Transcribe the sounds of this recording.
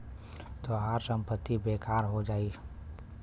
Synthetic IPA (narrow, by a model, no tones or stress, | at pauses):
t̪oɦaːɾsə̃mpət̪ːibeːkʰaːɾɦod͡ʒaːi